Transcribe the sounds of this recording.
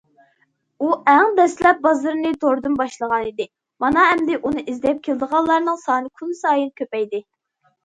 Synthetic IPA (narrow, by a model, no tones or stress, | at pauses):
uæŋd̪ɛslɛp̚bɑzɨɾnɨt̪ʰoɾd̪ɨnbɑʃlˠəʁɑnid̪ɪ | mɑnɑɦɛmd̪ɪʔunɨʔizd̪ɛp̚kʲʰeld̪əʁɑlːˠɑɾnɨŋsɑːnɨkʰunsɑːjɨnkʲʰøpɛjd̪ɪ